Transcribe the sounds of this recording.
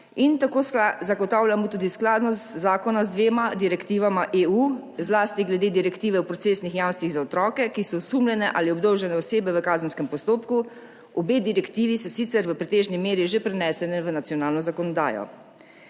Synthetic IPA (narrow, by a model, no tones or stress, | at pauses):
int̪akoːzaɡɔt̪aːwljamut̪uːd̪isklaːd̪nɔst̪zaːkɔnazd̪ʋeːmad̪iɾɛkt̪iːʋamaʔeuːzlaːst̪iɡlɛd̪eːd̪iɾɛkt̪iːʋɛupɾɔt̪seːsnixjaːwmnst̪ʋiɣzaɔt̪ɾɔːkɛkisɔsuːmlɛnɛʔaːliɔbd̪ɔwʒɛnɛɔseːbɛʋəkaːzənskɛmpɔst̪oːpku | ɔbeːd̪iɾɛkt̪iːʋisɔsit̪sɛɾʋəpɾɛt̪eːʒnimeːɾiʒepɾɛnɛːsɛnɛʋənat̪sjɔnaːlnɔzakɔnɔd̪a̰ːjɔ̰